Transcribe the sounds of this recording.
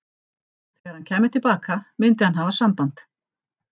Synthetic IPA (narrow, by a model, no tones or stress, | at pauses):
θɛɣaɾhancʰɛːmɪt̪ʰɪlpaːkamɪnt̪̬ɪhanɦaːvasampant̪